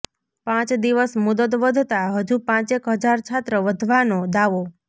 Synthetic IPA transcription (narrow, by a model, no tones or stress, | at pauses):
pãt͡ʃd̪iʋəsmud̪ət̪ʋəd̪ʱt̪aɦəd͡ʒupãt͡ʃekɦəd͡ʒaɾt͡ʃʰat̪ɾəʋəd̪ʱʋanod̪aʋo